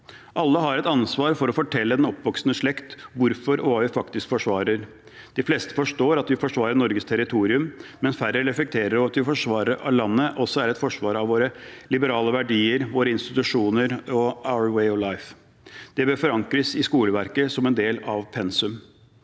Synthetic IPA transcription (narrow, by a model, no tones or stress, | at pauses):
ʔɑlːəɦɑɾɛt̪ɑnsʋɑːɾfɔɾɔfɔʈʰɛlːəd̪ɛnɔpːʋɔksnəʂɭɛkt̪ʋʊɾfɔɾɔʋɑːʋɪfɑkt̪ɪskfɔʂʋɑːɾəɾ | d̪̥ɪfleːst̪ə̥fɔʂʈoːɾɑt̪ʋɪfɔʂʋɑːɾənɔɾɡəst̪ʰæɾɪt̪ʰuːɾɪʉmmɛnsfæɾəɾɛflɛk̚t̪ʰeːɾəɾɔɑt̪ʋɪfɔʂʋɑːɾəɾʔɑ̰lɑnːəʔɔsːɔæɾɛt̪fɔʂʋɑːɾɑʋoːɾəlɪbəɾɑːləʋæɖiːəɾʋoːɾəɪnst̪ɪt̪ʉʂuːnəɾɔaʊəɾweɪɔʋlaɪf | d̪̥ɛbøːfɔɾɑŋkɾəsɪskuːləʋæɾkəsɔmɛnd̪eːlɑʋpʰɛnsʉm